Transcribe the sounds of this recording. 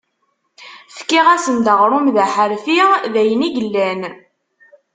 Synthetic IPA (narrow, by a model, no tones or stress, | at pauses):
fkːiʁæsənd̪əʁɾˤʊmðæħəɾfiðæjəniɡəlːæn